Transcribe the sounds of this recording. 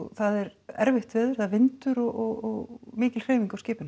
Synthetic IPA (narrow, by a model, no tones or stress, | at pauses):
θaðɛɾɛɾvɪht̪vɛːðʏɾ̥θaðvɪnt̪ʏɾɔɣʔɔɣɔɣmɪːcɪlkɾeːjmiŋkawscɪːpɪn